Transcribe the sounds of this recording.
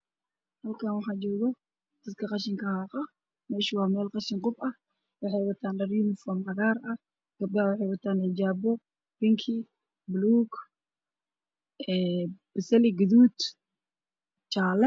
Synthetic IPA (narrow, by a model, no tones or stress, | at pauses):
hɐlkʰanwɑħɑːt͡ʃɔːɣɔ | d̪̥ɐd̪kʰɐqɑʃɪŋkʰɐhaːqɐ | mɛːʃɪwɑːmɛːlqɑʃɪŋqʊbɐh | wɑħɛjwɐt̪ʰaːnlɐruːnɪfɔːmqɐɣaːrɐ | ɡ̥ɐb̚dɐwɑħɛjwɐt̪ʰaːnɛd͡ʒaːbɔ | b̥ɪŋkʰi | bluːɡ | ɛb̥ɪsɛlɪɡʊðuːd̪ | t͡ʃaːlɛ